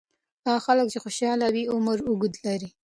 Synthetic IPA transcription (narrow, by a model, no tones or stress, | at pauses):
ɑxalək̚t͡ʃexoʃɑlawiʊməɾʊɡʊd̪laɾi